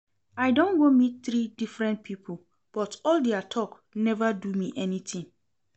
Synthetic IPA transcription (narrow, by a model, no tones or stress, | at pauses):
ajdõnɡomit̚θɾidifɹɛ̃nt̚pʰipʰul̩ | b̥ɔtɔldeatʰɔk | nɛvadumiʔɛnit̪ĩŋ